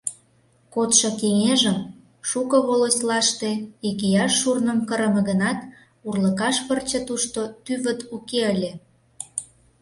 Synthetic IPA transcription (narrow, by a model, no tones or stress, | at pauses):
kot̪ʃokeŋeʒəm | ʃukəβoloslɑʃt̪eikejɑʃːurnəmkəɾə̆mə̆ɣənɑt̪ | urləkɑʃpərt͡ɕet̪uʃt̪ot̪yβət̪ukeəlʲe